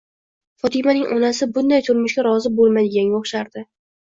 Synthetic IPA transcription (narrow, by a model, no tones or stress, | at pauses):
fɒt̪ʰɪmanɪŋʔɒnasɪbʊnd̪ajt̪ʰʊɾmʊʃɡʲaɾɒzɪbolˠmad̪ɪɡʲanoχʃaɾd̪ɪ